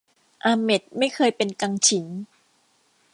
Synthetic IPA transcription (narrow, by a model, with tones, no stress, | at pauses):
ʔaː˧me˨˩t̪̚ma˥˩jkʰɤː˧jpe˧nka˧ŋt͡ɕʰi˩˦n